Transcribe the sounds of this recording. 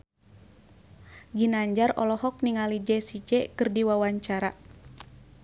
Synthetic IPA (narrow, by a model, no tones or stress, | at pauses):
ɡinaɲd͡ʒarɔ̰lɔɦɔk̚niŋalid͡ʒɛsid͡ʒɛkɨrdiwawaɲt͡ʃaɾa